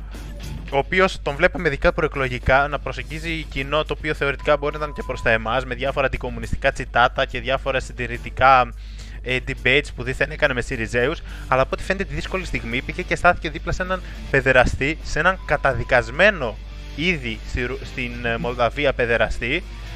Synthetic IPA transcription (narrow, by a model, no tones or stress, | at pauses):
oːpio̞st̪o̞nvle̞peme̞ðikɐpɾo̞eklo̞ʝikɐnɐpɾo̞seɲɟizicino̞t̪o̞ːpioθe̞o̞ɾit̪i̥kɐbo̞ɾinɐt̪ɐnce̞pɾo̞st̪ɐe̞mɐzme̞ðʝɐfo̞ɾɐnd̪iko̞munist̪i̥kɐt͡sit̪ɐt̪ɐce̞ðʝɐfo̞ɾɐsind̪iɾit̪ikɐ | ed̪ibejt̪spuðiθene̞kɐnemesiɾize̞us | ɐlɐpot̪i̥fend̪et̪iðisko̞list̪iɣmipiʝece̞st̪ɐθi̥ce̞ðiplɐsenɐn | pe̞ðe̞ɾɐst̪ise̞nɐŋkɐt̪ɐðikɐzme̞no̞ | iðisiɾst̪inmo̞ld̪ɐviɐpe̞ðeɾɐst̪i